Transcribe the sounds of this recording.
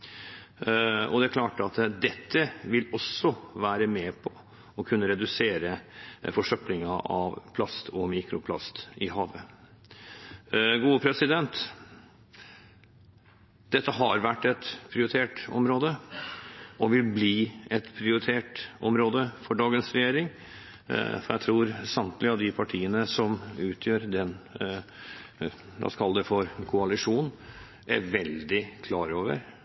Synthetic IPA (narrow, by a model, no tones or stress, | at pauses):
ɔ̰d̪ɛkʰlɑːʈəɑt̪d̪ɛt̪ʰːəʋɪlɔsːɔʋæːɾəmɛːpʰɔ | ɔkʰʉnːəɾɛd̪ʉseːɾəfɔʂœplɪŋɑʔɑ̰ʋpʰlɑst̪ʰɔmiːkɾʊpʰlɑ̰st̪ɪɦɑːʋə | ɡuːəpʰɾɛsɪd̪ɛnt̪ | d̪̥ɛt̪ːəɦɑɾʋæʈːɛt̪pʰɾɪʊɾɪt̪ʰeːʈɔ̰mɾoːd̪ə | ɔʋɪlbliːɛt̪pʰɾɪʊɾɪt̪ʰeːʈʔɔ̰mɾoːd̪əfɔɖɑːɡənsɾɛjeːɾɪŋ | fɔɾjæɪt̪ʰɾuːɾsɑmt̪lɪɑʋd̪ɪpʰɑʈʰiːənəsɔmʉːt̪ʰjøːɾd̪ɛn | ʋ̪ɑ̰skʰɑld̪ɛfɔɾkʰʊɑlɪʂuːn | ʔæ̰ɾʋɛld̪ɪkʰlɑːɾoːʋə̰ɾ